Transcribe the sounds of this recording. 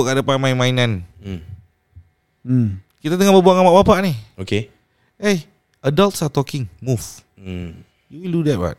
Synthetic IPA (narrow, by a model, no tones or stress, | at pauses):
ʔkaʔdapamainmainan̩ | kit̪at̪əŋaʔbəbuaŋamaʔbapaʔnioke | ej | adaltsat̪ɔkɪŋmuf̩ | juwildudɛt̚ba̰t̚